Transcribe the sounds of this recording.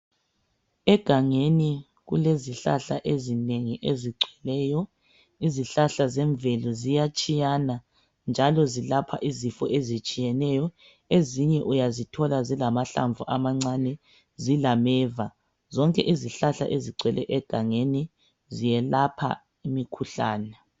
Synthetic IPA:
ɛɡ̥ʱaŋeni | ɣṵleziɬa̰ɬa̰ʔezineŋiʔeziɡ͡ǀʱɛlɛːjɔ | iziɬaɬazɛɱbvɛlɔzijat͡ʃʼijana | nd͡ʒʱalɔzilapʰa̰ʔizifɔʔezit͡ʃʼijɛnɛjɔ | eziɲɛʔujazitʰɔlazilamaɬa̰ɱvuʔamaŋ͡ǀanɛ | zilamɛːva | zɔŋkʼɛ̰ʔiziɬaɬa̰ʔeziǀʱɛlɛ̰ʔɛɡ̥ʱaŋeni | zijɛlapʰa̰ | imikʰuɬa̰ːnɛ

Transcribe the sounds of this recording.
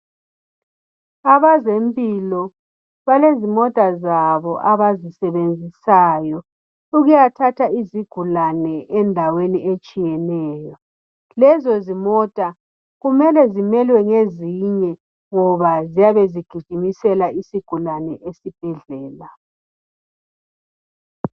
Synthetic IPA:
aβazempʼilɔ | βalezimɔtʼazaβɔʔaβazisɛβend͡zʱisaːjɔ | uɣujatʰatʰaiziɡ̥ʱulanɛʔɛndʱaweniet͡ʃʼijɛnɛːjɔ | lɛzɔzimɔtʼa | ɣumɛlɛzimɛlwɛŋeziɲɛ | ŋɔβazijaβeziɡ̥ʱiɡ̥ʱimisɛlaisiɡ̥ʱulanɛʔesib̥ʱɛɮɛːla

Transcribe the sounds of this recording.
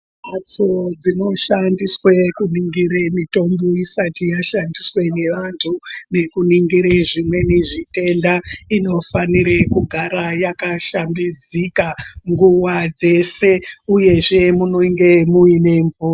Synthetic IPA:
at͡sod͡zino̞ʃandiswekuniŋɡiɾemito̞mboisatijaʃandiswe̞ne̞ʋantʰune̞kuniŋɡiɾeʐimwe̞niʐite̞ndaino̞faniɾekuɡʱaɾajakaʃambid͡zikaŋɡuwad͡ze̞se̞uje̞ʐe̞muno̞ŋɡe̞muine̞ɱvuːra

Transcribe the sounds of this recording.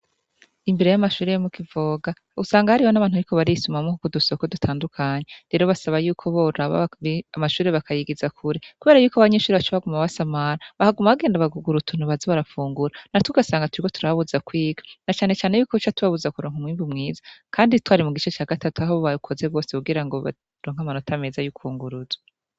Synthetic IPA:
imbeɾejamaʃuːɾejomukivoːɡa | ɡusaːŋɡahaɾihonaβaːnuaɾikʰoβaɾiisumamokukudusokodutʰaːndukʰaɲeɾe̞ɾoβasaβajuːkʰo̞βoɾaβa̰iamaʃuːɾe̞βakʰajiɡizakʰuɾekuβe̞ːɾajuːkoaβaɲe̞ʃuːɾeβat͡ʃeβaɡumaβasamaɾaβahaɡumaβaɡe̞ːndaβaɡuɡuɾutʰunuβaziβaɾafuːŋɡuɾanatuɡasaːŋɡatuɾiko̞tu̥ɾaβuzakwiːɡḁnat͡ʃaːnet͡ʃaːnejuːkoβit͡ʃatuβaβuzakuɾo̞ːŋumŋiːmbumŋiːzḁkʰaːnditwaːɾimuɡit͡ʃe̞t͡ʃaːɡatatuaɦoββaukʰo̞zeβɡo̞ːsekuɡiɾaŋɡo̞βa̰ | ɾo̞ːŋ̥amanotʰame̞ːzajukʰuːŋɡuɾuza

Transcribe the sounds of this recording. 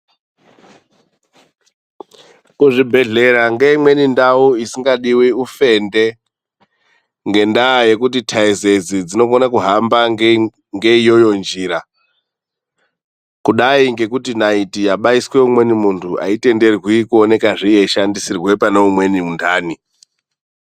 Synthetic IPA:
kuʐibʱe̞ɮe̞ɾaŋɡe̞imwe̞nindawuisiŋɡaɗiwiufe̞nde̞ | ŋɡe̞ndaje̞kutitʰaize̞zid͡zino̞ɡonakuɦamba | ŋɡe̞ijo̞jo̞nd͡ʒiɾa | kuɗaiŋɡe̞kutinaitijaɓaiswe̞umwe̞nimuntʰua̰ite̞nde̞rwikuone̞kaʐijeʃandisirwe̞panoumwe̞niundaːni

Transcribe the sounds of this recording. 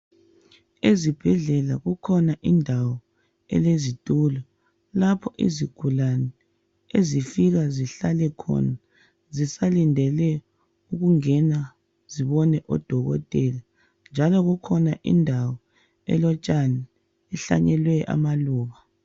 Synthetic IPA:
ezib̥ʱɛɮɛlaɣukʰɔnaʔindʱawɔ | ɛ̰lezitʼuːlɔ | lapʰɔʔḭziɡ̥ʱulanɛ | ezifiɣaziɬalɛkʰɔ̰na | zisalindʱɛlɛ | uɣuŋɛna | ziβɔnɛʔɔ̰d̥ʱɔɣɔ̰tʼɛla | nd͡ʒʱalɔɣukʰɔnaʔḭndʱawɔ | ɛ̰lɔt͡ʃʼanɛ | ɛɬa̰ɲɛlwɛʔa̰maluːβa

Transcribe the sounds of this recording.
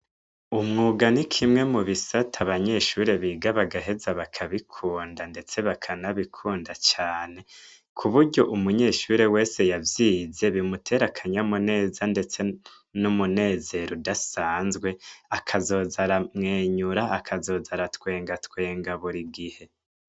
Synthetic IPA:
umŋuːɡanikʰimŋe̞muβisatʰaβaɲe̞ːʃuɾe̞βiːɡaβaɡaɦe̞zaβakʰaβikʰuːndande̞t͡se̞βakʰanaβikʰuːndat͡ʃaːne̞ | kʰuβuɾɟo̞ʔumuɲe̞ːʃuɾe̞we̞ːse̞javjiːze̞βimutʰe̞ɾakʰaɲamune̞ːzande̞t͡se̞ | numune̞ːze̞ɾudasaːnzɡwe̞akʰazo̞ːzaɾamŋeːɲuɾaakʰazo̞ːzaɾatwe̞ːŋɡatwe̞ːŋɡaβuɾiɡihe̞

